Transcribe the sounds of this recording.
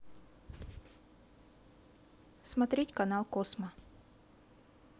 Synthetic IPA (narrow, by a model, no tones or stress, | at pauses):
smɐt̪ɾʲetʲkɐnalˠkosmə